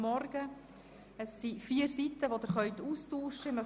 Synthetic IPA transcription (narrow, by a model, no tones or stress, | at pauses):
mɔɾɡə | əsːifiːəɾsit̪əʋod̪əɾχœʏt̪uːstuːʃəɪmœ